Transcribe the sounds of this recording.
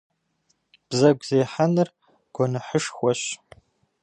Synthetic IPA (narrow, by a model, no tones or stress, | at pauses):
b̥zɐɡʷzeːħanɨr | ɡ̥ʷɔnɨħəʂxʷɔɕ